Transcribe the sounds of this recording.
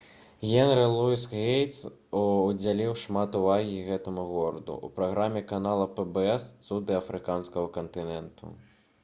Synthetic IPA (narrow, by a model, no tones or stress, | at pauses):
ɣʲɛnɾɨlˠuisɣejt̪s | ud͡zʲalʲiwʂmat̪uvaɣʲiɣɛt̪ɐmuɣɔɾɐd̪ṵʔṵpɾaɣɾamʲɛkanalˠɐpɛbɛɛst̪sud̪ɨɐfɾɨkanskɐɣɐkɐnt̪ɨnɛnt̪ʰṵ